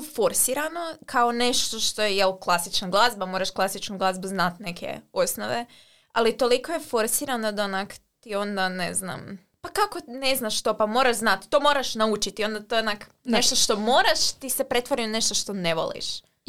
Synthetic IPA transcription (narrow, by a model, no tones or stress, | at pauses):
fo̞ɾsiɾano̞kʰaone̞ʃt̪oʃt̪o̞jejelˠklˠasit͡ʃnaɡlˠazbamoɾaʃklˠasit͡ʃnuɡlˠazbuznat̪ne̞kʰḛosnoʋe̞ | alit̪o̞liko̞jefo̞ɾsiːɾanod̪aonakt̪io̞nd̪anḛzna̰m | pakakone̞znaʃt̪o̞pamo̞ɾaʒznat̪ːo̞mo̞ːɾaʃnaut͡ʃit̪io̞nd̪at̪onak | neʃt̪oʃt̪o̞moːɾaʃt̪isepɾet̪ʋoɾinoneʃt̪oʃt̪o̞neʋo̰lˠḭʃ